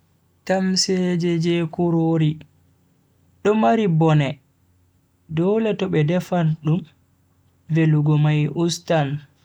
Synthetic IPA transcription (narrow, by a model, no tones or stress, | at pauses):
tamsɛd͡ʒɛd͡ʒɛkuɾoɾi | ɗɔmaɾibɔnɛ | dɔːlɛtɔɓɛdɛfanɗum | veluɡɔmajʔustan